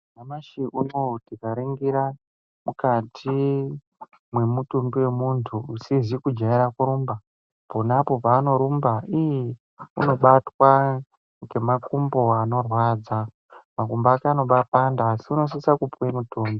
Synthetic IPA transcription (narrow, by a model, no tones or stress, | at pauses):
namaʃiʔunotikaɾeŋɡiɾa | mukatʰi | mwe̞mutumbiwe̞muntʰuːsizikud͡ʒaiɾakuɾuːmba | ponapo̞paːno̞ɾumbaije | ṵno̞ɓatwa | ŋɡe̞makumbo̞ano̞rwad͡za | makumbaːkaːno̞ɓapandaːsiuno̞s̬isakupwemutoːmbi